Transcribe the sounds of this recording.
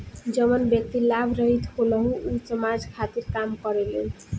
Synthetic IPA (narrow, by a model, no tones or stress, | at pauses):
d͡ʒʌmʌnbjʌk̚t̪ilabʱɾʌɦit̪holʌɦũːsʌmad͡zkʰat̪iɾkamkʌɾele